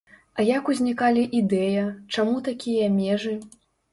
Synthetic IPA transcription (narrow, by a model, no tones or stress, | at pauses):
ɐjakuzʲnʲikalʲiʔid̪ɛjɐt͡ʂamut̪akʲijɐmʲɛʐɨ